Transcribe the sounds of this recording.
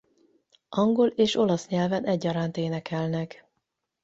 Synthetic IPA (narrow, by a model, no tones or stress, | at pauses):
ʔɒŋɡo̞leːʃo̞lɒsɲɛlvɛnʔɛɟːɒɾaːnt̪eːnɛkɛlnɛk